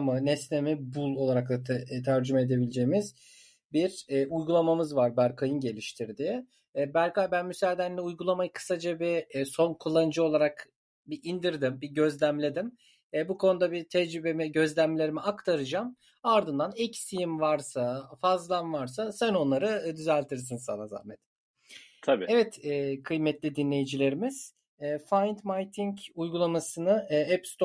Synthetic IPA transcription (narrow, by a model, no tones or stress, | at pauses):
manɛsnemibulˠo̞lˠaɾaklˠat̪ʰæɾd͡ʒymaed̪e̞bilʲd͡ʒe̞jimiz̥ | biɾujɡulˠamamɯzvaɾbæɾkʰajɯnɟe̞lʲiʃt̪ʰiɾd̪i | bæɾkabænmysæɾd̪ænlʲɛujɡulˠamajɯkʰɯ̥sad͡ʒabiso̞nkʰulˠːanɯd͡ʒɯo̞lˠaɾak | biʔind̪iɾd̪imbiɟø̞zlʲæmlʲe̞d̪im | bukʰo̞nud̪abit̪ʰɛd͡ʒɾybe̞miɟø̞zlʲæmlʲe̞ɾimiakt̪ʰaɾɯd͡ʒam | aɾd̪ɯnd̪anɛcsijimvaɾsafazlˠamvaɾs̬asæno̞nlˠaɾɯd̪yzælʲt̪ʰiɾs̬insa̰naza̰hmed̪im | t̪ʰabiɛvɛt̪ɛkʰɯjmɛt̪lʲid̪inlʲe̞jid͡ʒilʲe̞ɾimiz̥ː | fajnt̪majt̪ʰiɲcujɡulˠamasɯnɯɛpst̪ʰ